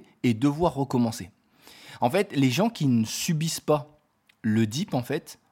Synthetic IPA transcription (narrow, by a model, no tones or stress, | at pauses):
ed̪əvwaʁːəkɔmɑ̃se | ɑ̃fɛt̪leʒɑ̃kʲinəsybispa | ləd̪ipɑ̃fɛt̪